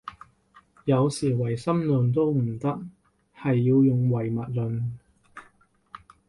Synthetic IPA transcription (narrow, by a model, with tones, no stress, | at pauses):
jɐ˨˧wsiː˨˩wɐ˨˩jsɐ˥mlɵ˨nt̪̬o˥wm̩˨˩t̪ɐ˥k̚ | hɐ˨jːiː˧wjʊ˨ŋwɐ˨˩jmɐ˨t̚lɵ˨n